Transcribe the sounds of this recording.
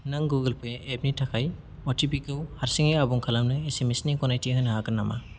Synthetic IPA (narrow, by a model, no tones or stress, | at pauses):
nɯŋɡuɡɯlpʰɯjʔep̚nitʰakʰaj | ɔtʰipikɯwhaɾsiŋejabuŋkʰalamnɯesemesnikɔnajtiɦɯjnɦakɯnːama̰